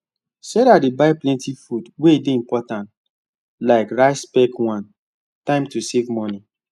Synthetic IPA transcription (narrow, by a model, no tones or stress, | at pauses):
sɛɾadibaɪplɛ̃ntifudwedeĩmpɔtãnt | laɪkɹaɪspɛkwãn | tãɪ̃mtusevmɔni